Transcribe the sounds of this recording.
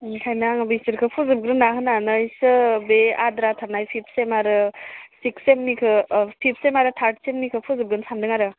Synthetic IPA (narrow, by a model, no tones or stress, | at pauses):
kʰajnaŋbɯsɯɾkʰɯpʰuzɯb̚ɡɾɯnːaɦɯnanɯjsɯbeadɾatʰanajpʰipʰsemaɾɯsiksemnikʰɯpʰipʰsemaɾɯt̪ʰaɾʈsemnikʰɯpʰuzɯb̚ɡɯnsandɯŋaɾɯ